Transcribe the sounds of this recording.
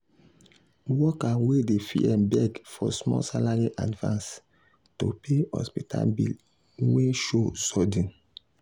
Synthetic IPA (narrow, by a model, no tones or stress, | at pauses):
wɔkawedefḭɛbɛɡfɔsmɔ̰salaɹiʔa̰dvã̰ns | topʰehɔ̰spitʰa̰lbḭl | weʃosɔdĩn